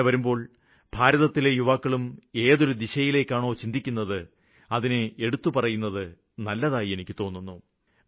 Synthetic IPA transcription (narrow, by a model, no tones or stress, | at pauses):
ʋɐɾumbo̞ːɭ | b̥ʱaːɾɐðɐt̪ːilejuʋaːkːɐɭume̞ːðo̞ɾud̪iɕɐjile̞ːkʲːaːɳo̞ːt͡ɕind̪ikʲːunːɐðɨ | ɐðineeɽut̪ːupɐrɐjunːɐðɨ | nɐlːɐðaːjie̞nikʲːɨt̪o̞ːnːunːu